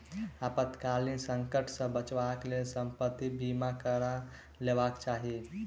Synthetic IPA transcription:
apət̪kalinsəŋkəʈʰsə̃bət͡ʃbaklelsəmpət̪ːibimakəɾa | lebakt͡ʃaɦi

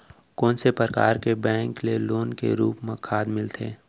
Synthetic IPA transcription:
kɔːnsepəɾka̰ːɾkebɛ̃ːŋkleloːnkḛɾuːpmẽkʰaːd̪mɪlt̪ʰḛː

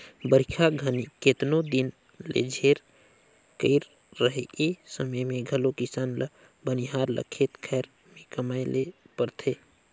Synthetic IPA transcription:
bəɾikʰaɡʱəniket̪nod̪in | lḛd͡ʒʱeɾ | kəɪɾː | əɦeesəməjmẽɡʱəlokɪsaːnlə | bəniɦaːɾlə̰kʰet̪kʰɛːɾ | mẽkəmajlepəɾt̪ʰe

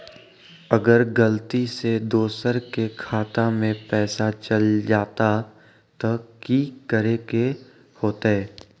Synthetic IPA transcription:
ɐɡəɾɡəlt̪ised̪oːsəɾkekʰaːt̪amẽpɛːsat͡ʃəld͡ʒaːt̪a | t̪okiːkəɾeke | hoːt̪aɦɛː

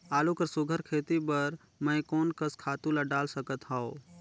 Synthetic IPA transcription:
aːlukəɾsʊɡʱəɾkʰeːt̪ibəɾ | mə̃ɪ̃koːnkəskʰaːt̪ũlaɖaːlsəkət̪ɦao

